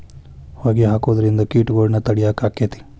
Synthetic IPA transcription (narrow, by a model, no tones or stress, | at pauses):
hoːɡiɦaːkoːd̪ɐɾind̪ɐkiːʈɡoːɽnɐt̪ɐɽijaːkaːkːet̪i̥